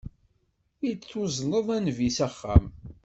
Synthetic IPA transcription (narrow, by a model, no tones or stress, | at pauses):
it͡sːʊzˤnəðˤænvisæχːæ̰m